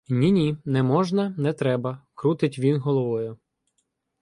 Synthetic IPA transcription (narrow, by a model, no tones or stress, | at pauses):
nʲinʲinɛmɔʒnɐnɛt̪ɾɛbɐkɾut̪ɪtʲʋʲinɦɔlˠɔʋɔjʊ